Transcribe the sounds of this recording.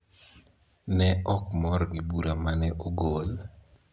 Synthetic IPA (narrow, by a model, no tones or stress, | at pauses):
nɛɔkmɔɾɡɪbuɾamanɛʔoɡol